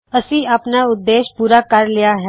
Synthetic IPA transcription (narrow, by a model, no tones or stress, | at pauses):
əsĩːaːpnaːʊd̪ːeːʃpuːɾaːkəɾlɪjaːɦɛː